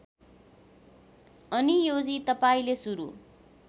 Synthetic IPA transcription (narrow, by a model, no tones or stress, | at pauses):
ʌnijod͡zit̪ʌpaĩlesuɾṵ